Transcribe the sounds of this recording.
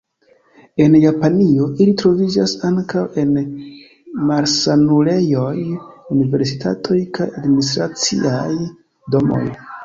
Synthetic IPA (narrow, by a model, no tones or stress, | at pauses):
e̞njapanio̞ʔilitɾo̞vid͡ʒasaŋkawe̞n | maɾsanule̞jo̞junive̞ɾsitʰa̰tʰo̞jkʰajadministɾat͡sḭaj | do̞mo̞̰j